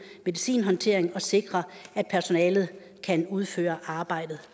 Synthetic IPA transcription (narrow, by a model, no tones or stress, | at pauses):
me̝ðˠisḭːnɦɒ̽nt͡sʰe̝ɐ̰eŋɒ̽se̝ɡ̥ʁɐʔæd̥̚pʰæɐso̝nɛːlð̞̩ˠ | kʰænuð̞ˠfø̰ːɐʔɑ̈ːb̥ɑ̈ɪ̰d̥ð̞̩ˠ